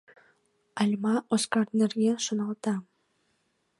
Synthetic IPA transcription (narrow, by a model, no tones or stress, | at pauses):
ɑlʲmɑʔoskɑrnĕrɡʲeʃŏnɑlˠt̪ɑ